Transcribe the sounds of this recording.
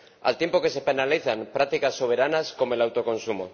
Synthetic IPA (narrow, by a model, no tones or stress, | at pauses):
a̰lt̪je̞mpo̞ke̞se̞penaliθaŋpɾak̚t̪ikasːo̞β̞e̞ɾanasko̞moe̞lawt̪o̞ko̞nsumo̰